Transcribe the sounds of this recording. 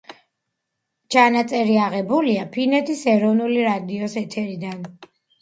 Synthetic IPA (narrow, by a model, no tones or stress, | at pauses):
t͡ʃʰanat̪sʼɛɾiaʁɛbuliapʰinɛt̪ʰisɛɾɔvnuliɾad̪iɔsɛt̪ʰɛɾid̪an